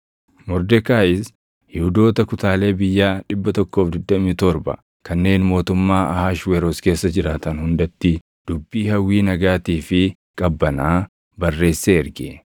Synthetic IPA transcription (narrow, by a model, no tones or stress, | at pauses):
mɔɾd̪ɛkaːʔɪs | hɪhʊd̪o̞ːt̪ɐkʊt̪aːle̞ːbɪjːaːᶑɪbːɐt̪ɔkːo̞ːfd̪ɪd̪ːɐmiːt̪ɔɾbɐ̰ | kɐnːe̞ːnmo̞ːt̪ʊmːaːɐhaːʃweɾoːske̞ːsːɐd͡ʒɪɾaːt̪ɐnhʊnd̪ɐt̪ːɪ | d̪̥ʊbːiːhɐwːiːnɐɡaːt̪iːfɪ | kʼɐbːɐnaː | bɐrːe̞ːsːeːɪɾɡɛ